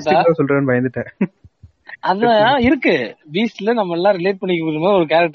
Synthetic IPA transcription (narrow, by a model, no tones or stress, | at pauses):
ʈːaːãsɔlɾẽːnɯʋɐjɐnd̪ɯʈːɛ̃ | ɐðɯãɪɾɯkːɯbiːslɐnɐmːɐlːãːɾɪleːʈ̚pɐɳːɪkːɐpuːɾɯmaːðɪɔɾɯkaːɾɐk̚ʈː